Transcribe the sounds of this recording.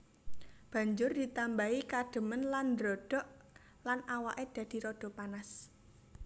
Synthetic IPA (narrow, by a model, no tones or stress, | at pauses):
b̥ä̤ɲd͡ʒʊrd̪̥it̪ambaikadɖ̥ə̤mənland̪ɾɔɖ̥ɔ̤ʔ | lanawaʔed̪̥ä̤d̪̥i̤ɾɔɖ̥ɔ̤panas